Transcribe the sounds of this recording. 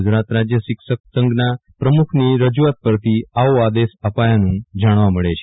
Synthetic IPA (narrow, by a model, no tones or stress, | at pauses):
d͡ʒɾat̪ɾad͡ʒjəʃɪksək̚səŋɡnapɾəmukʰniɾəd͡ʒuʋat̪̚pəɾt̪ʰiaoad̪esəpajanũd͡ʒaɽ̃ʋaməɭet͡ʃʰe̥